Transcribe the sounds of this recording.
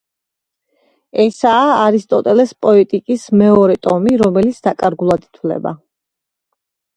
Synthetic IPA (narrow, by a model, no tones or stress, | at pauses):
ɛsaːɾist̪ʼɔt̪ʼɛlɛspʼɔɛt̪ʼikʼismɛɔɾɛt̪ʼɔmiɾɔmɛlit̪sʰd̪akʼaɾɡulˠad̪i̥t̪ʰwlɛ̰ba̰